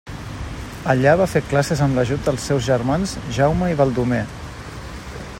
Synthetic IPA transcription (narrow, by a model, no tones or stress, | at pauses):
əʎaβ̞afeklasəzəmləʒud̪̚d̪əlˠsːɛwzʒərmanzʒawməiβəlˠd̪ume